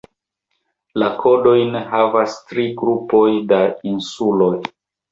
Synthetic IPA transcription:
lakʰo̞do̞jneɦavastɾiɡɾupo̞jdainsulo̞j

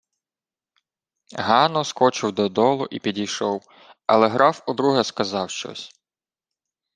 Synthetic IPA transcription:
ɦɑnɔskɔt͡ʃɪwd̪ɔd̪ɔlˠʊʔipʲidʲijʃɔw | ɐ̰lˠɛɦɾʔɑfʊd̪ɾuɦɛskɐzɑwʃt͡ʃɔ̰sʲ

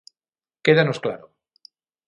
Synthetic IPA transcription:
keðanoskla̰ɾo

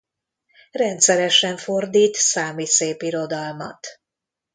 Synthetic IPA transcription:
rɛnt̪sɛɾɛʃɛɱfo̞rd̪iːt̪saːmiseːpiɾo̞d̪ɒlmɒ̰t̪

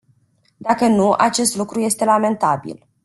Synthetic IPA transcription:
d̪akənuʔa̰t͡ʃe̞st̪lukɾuje̞st̪e̞lame̞nt̪abḭl

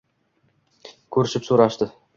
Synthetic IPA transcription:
kʰɵɾɪʃɪpsoɾaʃt̪ɪ

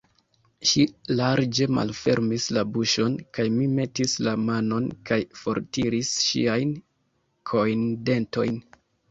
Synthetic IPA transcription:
ʃilaɾd͡ʒe̞ma̰lfe̞̰ɾmislabuʃo̞nkajmime̞tislamano̞nkajfo̞̰ɾtiɾisʃḭajn | kʰo̞jnde̞nto̞̰jn

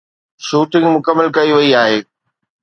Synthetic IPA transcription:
ʃuːʈɪ̃ŋɡmʊkəmːəlkɐiʋɐiaːɦeː

